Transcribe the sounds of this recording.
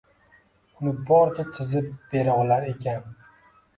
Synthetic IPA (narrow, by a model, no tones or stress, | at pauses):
ʊnɪbɒɾt͡ʃʲʰat͡ʃʰɪzɪp̚b̥e̞ɾawlaɾe̞kʰʲan